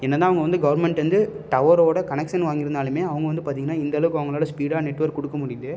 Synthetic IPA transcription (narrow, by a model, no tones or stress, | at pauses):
ɛnːɐt̪ãːɐʋɐŋɡɐʋɐnd̪ɯɡɐʋɐɾmɛɳʈʋɐnd̪ɯʈɐʋɐɾoːɽɐkɐnɛkʂɐnʋaːŋɡɪɾɐnd̪aːlɯmeːɐʋɐŋɡɐʋɐnd̪ɯpaːɾt̪̬iːŋɡɐnːaːɪnd̪ɐlɐʋɯkːɯɐʋɐŋɡɐɭoːlɐspiːɽaːnɛʈːʋɐɾkːɔɽɯkːɐmʊɽɪjɐðɯ